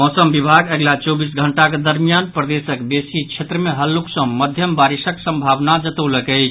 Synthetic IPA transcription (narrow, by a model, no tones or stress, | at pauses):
mɔsəmbibʱaɡeɡlat͡ʃɔbis̬ɡʱəɳʈaked̪əɾmijanpɾəd̪esəkbesit͡ʃʰet̪ɾəmeɦəlːuksə̃məd̪ʱjəmbaɾisəksə̃mbʱabnad͡ʒət̪əwləkɛɪt͡ʃʰ